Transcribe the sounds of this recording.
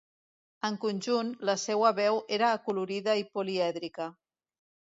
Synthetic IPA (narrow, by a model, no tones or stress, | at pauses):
əŋkunʲʒunləsɛwəβɛwʔeɾəːkuluɾiðəipuliɛðɾikə